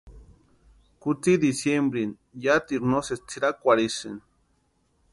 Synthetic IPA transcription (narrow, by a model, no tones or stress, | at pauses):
kut͡sid̪isjembɾin | jat̪iɾnoset͡siɾakʷaɾisɨ̰n